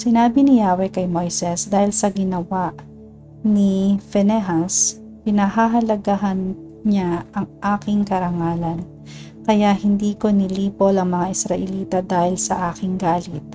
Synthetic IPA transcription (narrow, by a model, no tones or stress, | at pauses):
sɪnaːbɪnɪjaːwɛkɐjmojsɛsd̪aːhɪlsɐɡɪnɐwaʔ | nifɛnɛɦas | pɪnɐɦaɦɐlɐɡaɦɐn | ɲaʔɐŋʔaːkɪŋkɐɾɐŋaːlɐn | kɐjaʔhɪnd̪iːkonɪliːpolɐŋmɐŋaʔɪsɾɐʔɛliːt̪ɐd̪aːhɪlsɐʔaːkɪŋɡaːlɪt̪̚